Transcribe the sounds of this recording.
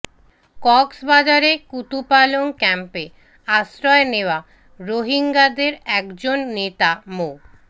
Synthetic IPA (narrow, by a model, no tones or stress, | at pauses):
kɔksbad͡ʑaɾekut̪upaloŋkɛmpe | asɾɔeneoa | ɾoɦiŋɡad̪eɾɛkd͡ʑonːet̪amo